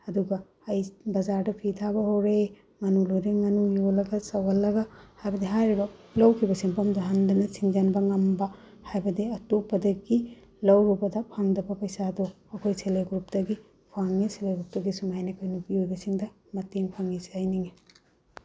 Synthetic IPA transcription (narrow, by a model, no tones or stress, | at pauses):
ɐduɡɐ | ɐjbɐzaɾdɐpʰitʰabɐɦowɾe | ŋɐnulojɾeŋɐnujolɐɡɐsɐwɐlːɐɡɐhajbɐdiɦajɾibɐlɐwkʰibɐsiŋpɐmdɐɦandɐnɐsiŋzɐnbɐŋɐmbɐ | hajbɐdiɐtopːɐdɐɡi | lɐwɾubɐdɐpʰaŋdɐbɐpɐjsado | ɐkʰojseleɡɾup̚dɐɡi | pʰaŋiseleɡɾup̚dɐɡisumajnɐkʰojnupihujbɐsiŋdɐ | mɐteŋpʰaŋizajniŋe